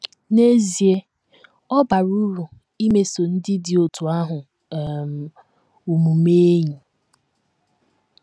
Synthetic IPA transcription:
ne˦zi˨e˦ | ɔ˦ba˨ɾu˦ɾu˨ | i˦me˦so˨n̩˦dɪ˦dɪ˨o˨tu˨a˦ɦʊ˨ | m̩˨ | u˨mu˨me˦ɲi˨

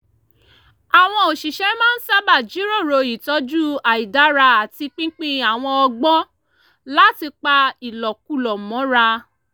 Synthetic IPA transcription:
a˨w̃ɔ̃˧o˨ʃi˨ʃɛ˨˦mã˦n̩˦sa˦ba˦˨d͡ʒi˨˦ɾo˦˨ɾo˧˨i˨tɔ˨˦d͡ʒu˦a˨i˨da˨˦ɾa˧a˨ti˧k͡pĩ˦k͡pĩ˦a˨w̃ɔ̃˧ɔ˧ɡ͡bɔ̃˦ | la˦ti˧k͡pa˧i˨lɔ˨k̚u˧˦lɔ˨mɔ̃˨˦ɾa˧

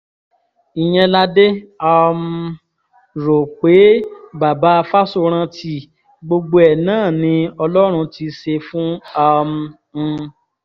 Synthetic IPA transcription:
i˨j̃ɛ̃˧la˦de˦ɔ˧m˧ | ɾo˨k͡pe˨˦ba˨ba˨˦a˧fa˦so˧ɾ̃ã˧tʰi˧ | ɡ͡bo˧ɡ͡bo˧ɛ˨nãː˦˨nĩ˧ɔ˧lɔ˦ɾ̃ũ˧ti˧ʃe˧fũ˦ɔ˧m̩˧

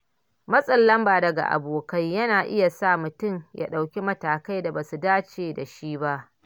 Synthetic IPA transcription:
mɐ˦sʼɐ˦lːɐ˦mbaː˨dɐ˨ɡa̰˨ʔa̰˨boː˨kɐ˦jjɐ˦naː˨ʔɪ˦ja˨saː˦˨mʊ˨tʊ˦mja̰˦ɗa˨wkʲi˦mɐ˦taː˨ka˦jda˨ba˨su˨daː˦t͡ʃeː˨da˨ʃiː˦ba˦ʔ

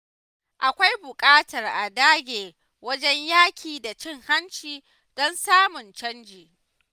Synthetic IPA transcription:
ʔa˨kʷa˦jbʊ˨kʼaː˦tɐ˨rʔa˨daː˦ɡʲeː˨ | wɐ˦d͡ʒɛ˦ɲjaː˦kʲʰiː˨da˨t͡ʃɪ˦ŋha˦nt͡ʃiː˨ | d̥ɔ˦nsaː˦mʊ˨nt͡ʃɐ˦nd͡ʒiː˨

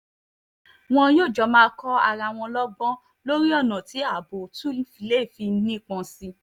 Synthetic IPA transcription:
w̃ɔ̃˧joː˦˨d͡ʒɔ˨˧˦mãː˦kɔ˦a̰˨ɾa˧˨w̃ɔ̃˧lɔ˦ɡ͡bɔ̃˦ | lo˦ɾi˦ɔ˦˨nã˨ti˨˦a˦˨bo˨tu˦i˦fi˧˨le˨˦˨fi˧˦nĩ˦˨k͡pɔ̃˧si˧

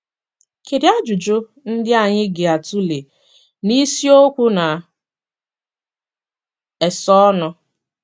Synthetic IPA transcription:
ke˨ɾɪ˦a˦d͡ʒu˨d͡ʒo˦ | n̩˦dɪ˦a˨ɲɪ˦ɡe˨a˨tu˦le˨ | ni˦si˦o˦kʷu˦na˨ | e˨sɔ˦nɔ˦

